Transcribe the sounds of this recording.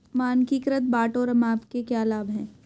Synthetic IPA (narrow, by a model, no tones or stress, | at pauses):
maːnkikɾət̪̚baːʈoɾɐmaːpkekjaːlaːbɦɛ̃ː